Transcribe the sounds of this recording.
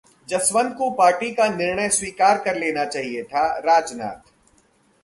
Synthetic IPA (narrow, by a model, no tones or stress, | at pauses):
d͡ʒɐsʋənkopaːɾʈikanɪɾɳəjswiːkaːɾkɐɾleːnat͡ʃaːɦiet̪ʰaɾaːd͡ʒna̰ːt̪